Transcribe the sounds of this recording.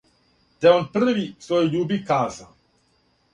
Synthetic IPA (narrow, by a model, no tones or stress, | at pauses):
t̪ɛonpr̩ʋisʋojuʎuːbikaːza